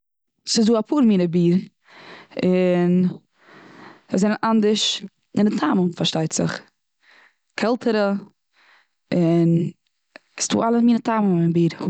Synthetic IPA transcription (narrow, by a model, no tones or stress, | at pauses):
sɪzduːapʰuːɾmiːnəbiːɾ | ɪn | əzɛnənʔandəɾʃ | ɪndɪtʰaməmfaɾʃtaɪtz̥ɪ̰χ | kʰɛlˠtʰəɾə | ɪn | sdṵːalˠəmiːnətʰaməmɪnbiːɾ